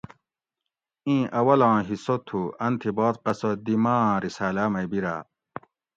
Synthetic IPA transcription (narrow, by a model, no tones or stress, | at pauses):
ĩʔɐwɐlãːɦisot̪ʰːuɐnt̪ʰiboːt̪qɐsod̪imãːɾisaːlamɐjbiɾa̰